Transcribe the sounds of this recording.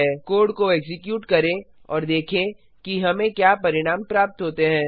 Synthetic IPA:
ɛkoːɾɖkoeːɡsɪkjuːʈkɐɾẽ | ɔ̰ːɾd̪eːkʰẽ | kiɦɐmẽkjaːpɐɾɪɽ̃aːmpɾaːp̚t̪ɦoːt̪eɦɛ̃ː

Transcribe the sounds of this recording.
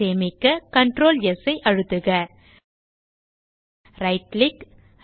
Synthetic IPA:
eːmɪkːɐkɐɳʈɾoːljɛsɐɪʔɐɻɯt̪ːɯɣɐ | ɾɐɪʈlɪk

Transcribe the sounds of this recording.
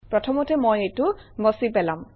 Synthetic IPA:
pɹɔtʰɔmɔtɛmojejtʊmɔsipɛlam

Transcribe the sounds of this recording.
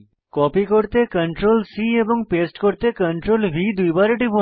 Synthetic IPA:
kɔpikoɾt̪ekəɳʈɾolsieboŋpesʈkoɾt̪ekəɳʈɾolbʱid̪ujbaɾeʈibo

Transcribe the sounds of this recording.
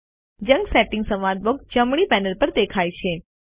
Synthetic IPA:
d͡ʒə̃ŋɡsɛʈɪ̃ŋɡsəmad̪bok̚d͡ʒəmɽ̃ipɛnəlpəɾd̪ekʰajt͡ʃʰe

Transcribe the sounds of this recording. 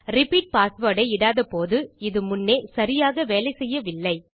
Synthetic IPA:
ɾɪpiːʈ̚paːsʋoːɽɐɪɪɽaːðɐpoːðɯɪðɯmʊnːeːsɐɾɪjaːɣɐʋeːlɐɪsɛjːɐʋɪlːɐɪ

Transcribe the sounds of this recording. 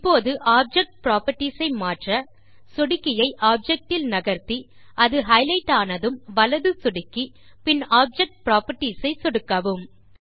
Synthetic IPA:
ɪpːoːðɯʔaːp̚d͡ʒɛk̚ʈ̚pɪɾaːpɐʈːisɐɪmaːʈrɐ | sɔɽɪkːɪjɐɪʔaːp̚d͡ʒɛk̚ʈɪlnɐɣɐɾt̪i | ʔɐðɯɦɐɪlɐɪʈːaːnɐðɯmʋɐlɐðɯsʊɽɪkːi | pɪnaːp̚d͡ʒɛk̚ʈ̚pɪɾaːpɐʈːisɐɪsɔɽɯkːɐʋɯm

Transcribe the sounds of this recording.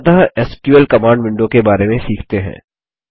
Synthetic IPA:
d̪aɛskjuəlkɐmãːɳɖʋɪ̃ɳɖokebaːɾemẽsiːkʰt̪eɦɛ̰̃ː

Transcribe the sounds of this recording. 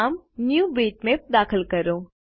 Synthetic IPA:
mnjuːbeːʈmep̚d̪aːxəlkɐɾoː

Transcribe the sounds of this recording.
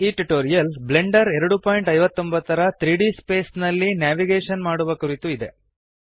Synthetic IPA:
iːʈuʈoːɾijɐlbleɳɖɐɾɛɾɐɽupaːjiɳʈɐjʋɐt̪ːo̞mbɐt̪ːɐɾɐt̪ɾiːɽispe̞ːsnɐlːinjaːʋiɡeːʂɐnmaːɽuʋɐkuɾit̪uid̪e̞

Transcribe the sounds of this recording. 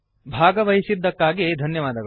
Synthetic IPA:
bʱaːɡɐʋɐɦisid̪ːɐkːaːɡid̪ʱɐnjɐʋaːd̪ɐɡɐ

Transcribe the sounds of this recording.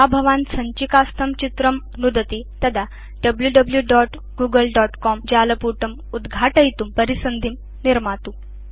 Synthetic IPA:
abʱəʋãnsəɲt͡ɕikast̪ʰəmt͡ɕit̪ɾəm | nud̪ət̪it̪əd̪a | ɖəbljuɖəbljuɖɔʈ | ɡuːɡəlɖɔʈkɔmd͡ʑaləpuʈəm | ud̪ɡʱaʈəjt̪umpəɾisənd̪ʱim | niɾmat̪u

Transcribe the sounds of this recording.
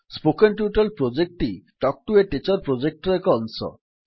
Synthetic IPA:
spokenʈjuʈalpɾod͡ʑek̚ʈiʈɔk̚ʈueʈet͡ɕaɾpɾod͡ʑek̚ʈɾekɔnsɔ̰

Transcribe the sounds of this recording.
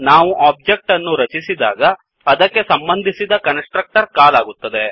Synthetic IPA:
naːʋuʔaːb̚d͡ʒek̚ʈɐnːuɾɐt͡ʃisid̪a̰ːɡɐː | d̪ɐkːe̞sɐmbɐnd̪ʱisid̪ɐkɐnsʈɾɐk̚ʈɐɾkaːlaːɡut̪ːɐd̪e̞

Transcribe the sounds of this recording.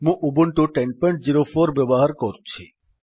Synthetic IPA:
mũʔubuɳʈuʈenpɔɳʈ̚d͡ʑiɾofoɾbɛboɦaɾkoɾt͡ɕʰḭ

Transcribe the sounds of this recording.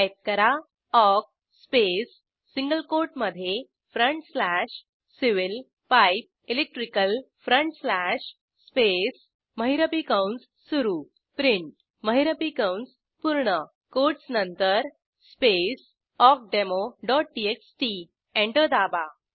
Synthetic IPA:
jt̪̚kəɾa | ɔk̚ | spesː | iŋɡəlkoɾʈməd̪ʱːje | fɾəɳʈslæʂ | siʋil | pajp̚elek̚ʈɾikəlfɾəɳʈslæɕ | spes | məɦiɾəpikawns | suɾuː | pɾiɳʈ | məɦiɾəpikawns | puɾɳə | koɾʈsnənt̪əɾ | spes | ɔk̚ɖemoɖɔʈ̚ɖieksʈi | ẽɳʈəd̪aba

